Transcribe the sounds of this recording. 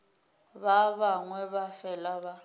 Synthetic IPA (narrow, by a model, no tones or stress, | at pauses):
βaβaŋwɛβafɛlaβa